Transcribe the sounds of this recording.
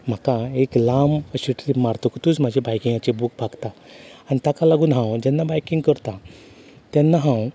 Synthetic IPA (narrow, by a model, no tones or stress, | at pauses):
m̤akaeklaməɕiʈlipmaɾt̪əkt̪uːt͡sm̤ad͡ʑʱebajkĩŋɡat͡ɕebuk̚baɡt̪aanit̪akalaɡuːnɦãwd͡ʑɛnːabajkĩŋɡkəɾt̪a | t̪jɛnːaɦãw